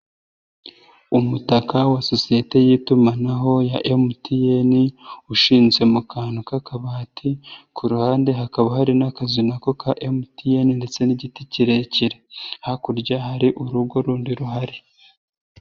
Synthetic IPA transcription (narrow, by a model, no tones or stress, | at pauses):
umutakawaso̞sijete̞jiːtumanaɦo̞jaʔemutijeniuʃiːnzwe̞mukaːnukakaβaːtʰikʰuɾuhaːnde̞ɦakaβahaɾinakazinako̞kaʔemutijeninde̞t͡se̞niɟiticiɾe̞ciɾehakuɾɟaɦaɾiʔuɾuɡo̞ɾuːndiɾuɦaɾi